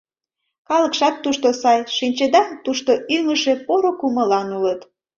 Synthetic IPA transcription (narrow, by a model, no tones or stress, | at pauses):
kɑləkʃɑt̪ːuʃt̪osɑjʃinʲt͡ɕed̪ɑt̪uʃt̪oʔyŋəʃepoɾokuməlɑnulət̪